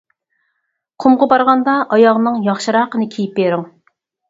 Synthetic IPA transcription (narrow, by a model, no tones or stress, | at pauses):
qʰʊmʁɑbɑɾʁɑnd̪ɑʔɑjɑʁnɨŋjɑχʃɨɾɑqənɨkʲʰijip̚beɾɪŋ